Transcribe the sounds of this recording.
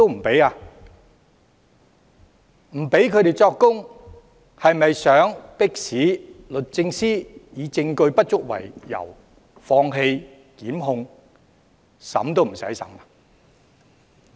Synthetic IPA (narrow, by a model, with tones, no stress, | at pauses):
to˥wm̩˨˩pe˨˥jaː˧ | m̩˨˩pe˨˥jkʰɵ˨˧ɥt̪e˨jt͡sɔː˧kːʊ˥ŋ | hɐ˨jmɐ˨jsœː˨˥ŋpɪ˥k̚siː˨˥lɵ˨t̚t͡sɪ˧ŋsiː˥jiː˨˧t͡sɪ˧ŋkɵ˧ɥpɐ˥t̚t͡ʃʊ˥k̚wɐ̰˨˩jjɐ̰˨˩w | fɔː˧ŋɦe˧j | kiː˨˥mɦʊ˧ŋ | sɐ̰˨˥mt̪̬o˥wm̩˨˩sɐ˨˥jsɐ̰˨˥ma˨